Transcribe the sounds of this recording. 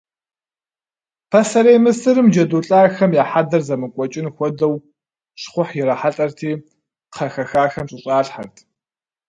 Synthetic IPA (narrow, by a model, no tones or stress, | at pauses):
pʰɐsɐɾejmɨsɨɾɨmd͡ʒɐduːɬʼaːxɐmjaːħadɐrzɐmɨkʷʼɔt͡ʃʼɪnxʷɔdɐw | ɕχʷʊħjɪɾɐħaɬʼɐrtʰiː | qʰɐxɐxaːxɐmɕʼɪɕʼaːɬħartʰ